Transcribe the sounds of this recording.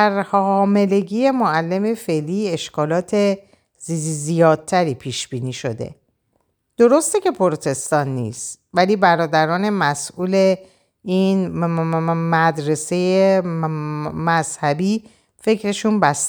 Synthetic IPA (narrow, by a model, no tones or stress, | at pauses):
æɾhɒːme̞le̞ɟiːje̞moælːe̞mefe̞liːe̞ʃkʰɒːlɒːt̪ʰe | zzijɒːd̪̥̚t̪ʰæɾiːpʰiːʃb̥iːniːʃo̞̰d̪e̞̰ | d̪̥o̞ɾo̞st̪ecʰe̞pʰoɾot̪ʰe̞st̪ɒːnːḭːst̪ | væliːbæɾɒːd̪æɾɒːne̞mæsʔuːle̞ | ʔiːn | mæd̪ɾe̞se̞je | mæzhæbiː | fe̞cʰɾe̞ʃunbæst̪